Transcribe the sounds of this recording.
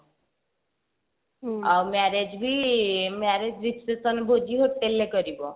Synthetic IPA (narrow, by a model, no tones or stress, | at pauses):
awmaɾed͡ʒbimaɾed͡ʒɾikesɔnbʱod͡ʒiɦoʈːelːekɔɾibɔ